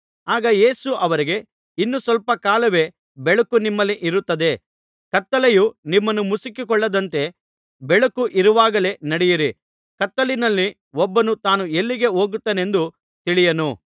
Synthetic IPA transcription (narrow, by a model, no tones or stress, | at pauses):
aːɡɐje̞ːsuʔɐʋɐɾiɡe̞ | inːusʋɐlpɐkaːlɐʋe̞ː | bɛɭɐkunimːɐlːiʔiɾut̪ːɐd̪e̞ | kɐt̪ːɐlɐjunimːɐnːumusikikɔɭːɐd̪ɐnt̪e̞ | bɛɭɐkuʔiɾuʋaːɡɐle̞nɐɽɛjiɾi | kɐt̪ːɐlinɐlːi | wɔbːɐnut̪aːnue̞lːiɡe̞o̞ːɡut̪ːeːne̞nd̪u | t̪iɭijɐnu